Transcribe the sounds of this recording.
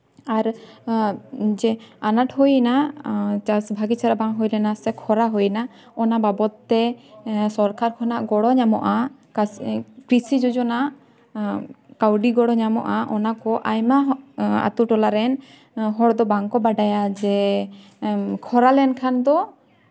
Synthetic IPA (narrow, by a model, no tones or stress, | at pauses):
aɾ | d͡ʒɛanaʈhujnat͡ʃasbʱaɡit͡ʃʰaɾabaŋɦujlɛnasɛkʰɔɾaɦojna | ɔnababɔt̪ːɛsɔɾkaɾkʰɔnaʔɡɔɽɔɲamɔ̰ʔakkɾisid͡ʒɔd͡ʒɔnaʔ | kawɖiɡɔɽɔɲamɔ̰ʔaʔɔnakɔʔajmaa̰t̪uʈɔlaɾɛn | ɦɔɽd̪ɔbaŋkɔbaɖajad͡ʒɛ | kʰɔɾalɛnkʰand̪ɔ